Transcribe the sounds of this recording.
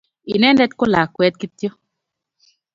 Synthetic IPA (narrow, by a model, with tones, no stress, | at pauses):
i˨nɛ˦ndɛ˦t̪̚ko˦la˨kwɛ˦t̪̚ki˦t̪jo˦